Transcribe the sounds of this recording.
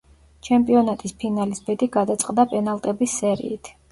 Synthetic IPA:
t͡ʃʰɛmpʼiɔnat̪ʼispʰinalisbɛd̪iɡad̪at̪sʼqʼd̪apʼɛnalˠt̪ʼɛbisːɛɾḭːt̪ʰ

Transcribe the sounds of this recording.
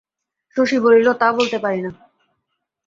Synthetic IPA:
ʃoʃibolilot̪abolt̪epaɾina

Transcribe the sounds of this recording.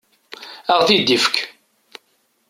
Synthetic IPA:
aʁθid̪ːifə̥kʰ

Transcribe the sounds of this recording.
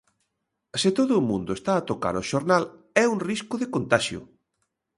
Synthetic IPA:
sɪt̪oðʊːmũnd̪ʊest̪aːt̪oka̰ɾoʃoɾnal | ɛuŋriskʊðɪkont̪aʃjʊ̰

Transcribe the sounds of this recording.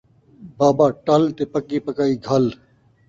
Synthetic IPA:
baːbaːʈɐlt̪eːpəkːiːpəkaːiːɡʱɐl

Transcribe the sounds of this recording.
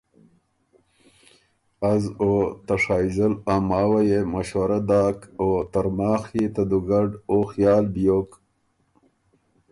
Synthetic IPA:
azot̪aʂaːjzəlamaːwajemaɕwɐɾad̪aːkoːt̪aɾmaːxit̪ad̪uɡaɖoxjɑːlbijoːk

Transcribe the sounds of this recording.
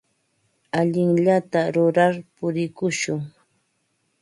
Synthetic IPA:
aʎɪŋʎat̪aɾʊɾaɾpʊɾɪkʊʃʊŋ

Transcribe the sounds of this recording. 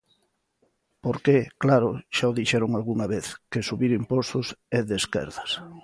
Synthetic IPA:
poɾkeklaɾʊʃaoðiʃɛɾʊŋalɣuŋaβeθkesuβiɾimpost̪ʊsɛðeskɛ̰ɾðɐs

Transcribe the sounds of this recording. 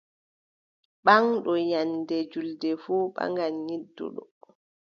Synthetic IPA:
ɓaŋɗɔjandɛd͡ʒuldɛfuːɓa̰ŋɡanɲidːṵɗɔ

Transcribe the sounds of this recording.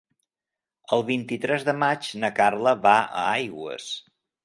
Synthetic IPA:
əlˠβint̪it̪ɾɛzðəmat͡ʃnəkarləβaə̰ajɣwə̰s

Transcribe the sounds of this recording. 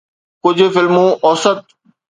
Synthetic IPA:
kʊd͡ʑʱʊfɪlmõʔɔːsət̪̚

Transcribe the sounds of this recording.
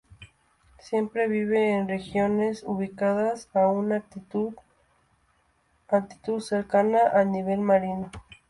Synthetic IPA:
sje̞mpɾeβiβeːnrexjo̞ne̞suβikaðasauna | akt̪i̥t̪uðseɾkanaʔaniβ̞e̞lmaɾino

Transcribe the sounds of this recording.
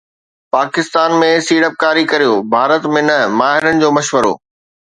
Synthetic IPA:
paːkɪst̪aːnmẽsiːɽəp̚kaːɾikɐɾijoːbʱaːɾət̪mẽnɐmaːɦɪɾənɪ̆d͡ʑoːmɐʃʋəɾo̰ː

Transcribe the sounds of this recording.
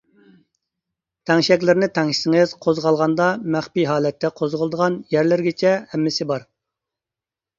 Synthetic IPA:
t̪ʰɛŋʃɛkʲlɪɾnɪt̪ʰɛŋʃsɪŋɪz̥qʰozʁɑlˠʁɑnd̪ɑmæχpiɦɑːlɛt̪ʰːɛqʰozʁəlˠd̪əʁɑnjæɾlɪɾɡʲɪt͡ʃʰɛhɛmːɪsɪbɑɾ

